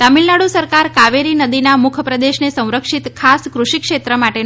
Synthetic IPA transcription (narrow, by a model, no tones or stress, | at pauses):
t̪amilnaɽusəɾkaɾkaʋeɾinəd̪inamʊkʰəpɾəd̪eʃnesə̃w̃ɾəkʂit̪kʰaskɾuʃikʃet̪ɾəmaʈe